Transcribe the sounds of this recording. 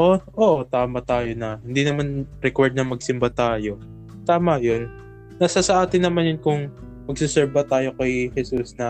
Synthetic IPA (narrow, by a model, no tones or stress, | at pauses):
ʔoʔoːʔot̪aːmɐt̪aːjonɐhɪnd̪inɐmanɾɛkwɛɹd̪̚nɐmɐɡ̚sɪmbɐt̪aːjo̞ | t̪aːmɐjonː | ɐsasɐʔaːt̪ɪnːɐmanjʊnkʊŋ | mɐɡ̚sɪsɛɾbɐt̪aːjo̞kɐjhɛsusnɐ